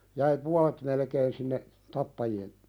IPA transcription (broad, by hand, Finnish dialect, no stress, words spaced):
jæi puɑle̥t melkeːn sinːe tɑpːɑjien